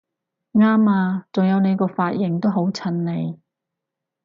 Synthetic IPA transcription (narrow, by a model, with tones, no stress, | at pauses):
ŋaː˥maː˧t͡sʊ˨ŋjɐ˨˧wne˨˧jkɔː˧faː˧t̚jɪ˨˩ŋt̪o˥wɦo˨˥wt͡sʰɐ˧nːe˨˧j